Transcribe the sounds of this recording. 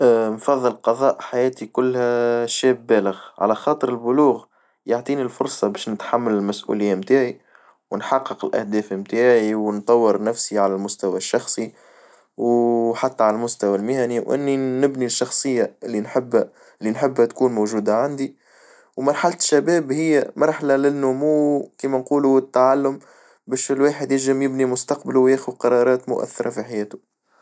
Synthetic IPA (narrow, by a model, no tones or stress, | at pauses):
mfɑðˤːɨlqɑðˤɑːʔħajɛːt̪ikʊlːhæʃɛːbːæːləɣʕa̰læxɑːt̪ˤɨɾɪlbʊluːɣ | jaʕt̪ˤiːnilfʊɾsˤɑbɛːʃnɪt̪ħamːælɪlmæsʔṵlɪjːamt̪aːʕi | wnħɑqːɨqɪlʔæ̰hd̪ɛːfmt̪aːʕiwnt̪ˤɑwːɪɾnæfsiʕalælmʊst̪awæʃːɑxsˤi | wħat̪ːaʕalælmʊst̪awælmɪhæniwʔɪ̰nːinɪbniʃːɑxsˤɨjːaɪlːinħɪbː | lːinħɪbːhæt̪kuːnmowʒuːd̪aʕand̪i | wmɑɾˤħalt̪ʃːæbɛːbhɪjːæmɑɾˤħalalɪnːʊmuwkiːmænquːluɪt̪ːaʕalːʊm | bɛːʃɪlweːħəd̪jɪlʒɪmjɪbnimʊst̪ɑq̚baluwjæːxuqɑɾˤɑːɾˤɑːt̪mʊ̰ʔæ̰θːɑɾˤɑfiħajɛːt̪ʊ